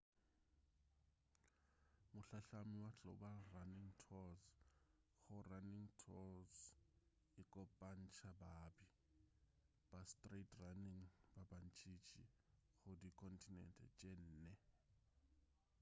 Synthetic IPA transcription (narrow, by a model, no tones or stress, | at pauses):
mʊɬaɬamiwaɬɔ̰baraniŋtʰɔz | xʊraniŋtʰɔz | ɪkʼɔpʼan̩t͡ʃʰʼabaːbi | b̥astʼretraniŋbabant͡ʃʼit͡ʃʼixʊdikʰʼɔntʼinɛ̰ntʼɛ̰t͡ʃʼen̩ːnɛ